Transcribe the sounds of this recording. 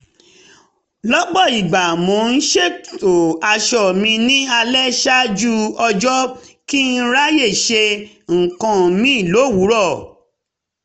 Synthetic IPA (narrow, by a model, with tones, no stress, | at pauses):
lɔ˦ɡ͡bɔ˦˨i˨ɡ͡ba˨mɔ̃˨˦n̩˦ʃe˦˨to˨a˧ʃɔ˦˨mĩ˧nĩ˦a˧lɛ˦ʃa˦d͡ʒu˦ɔ˧d͡ʒɔ˦ki˦n̩˦ɾa˦je˦˨ʃe˧ | ŋ̩˨kã˧mĩ˦˨lo˨˦˨wu˨˦ɾɔ˦˨